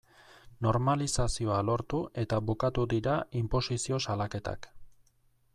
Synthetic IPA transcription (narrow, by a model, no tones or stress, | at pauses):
no̞ɾmalisasio̞alo̞ɾt̪uʔe̞t̪aβukat̪ud̪iɾaimpo̞sisio̞salake̞t̪a̰k